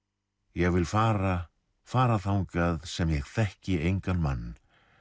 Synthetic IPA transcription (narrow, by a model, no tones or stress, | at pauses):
jɛɣvɪlfaːɾa | faːɾaθawnkaːðsɛmjɛɣθɛhcɪejŋkanːmanː